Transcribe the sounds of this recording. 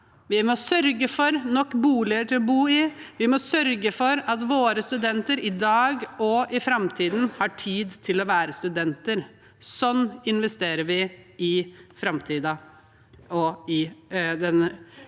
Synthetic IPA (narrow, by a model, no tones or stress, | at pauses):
ʋɪmɔsœɾɡəfɔɾnɔkːbuːlɪəʈɪlɔbuːɪʋɪmɔsœɾɡəfɔɾɑt̪ʋoːɾəst̪ʉd̪ɛnt̪əɾɪd̪ɑːɡɔʔɪfɾɑmt̪ʰiːd̪n̩hɑʈʰiːd̪t̪ʰɪlɔʋæːɾəst̪ʉd̪ɛnt̪əɾ | sɔnːɪnʋɛst̪eːɾəʋɪɪfɾɑmt̪ʰiːd̪ɑ | ɔɪd̪ɛn